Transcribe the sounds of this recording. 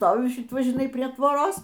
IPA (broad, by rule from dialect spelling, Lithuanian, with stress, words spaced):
ˈstoːʋʲʊ ˈʃʲɪt ˈʋɐ ʒʲɪˈnɐɪ pʲrʲiɛ ˈtʋoːroːs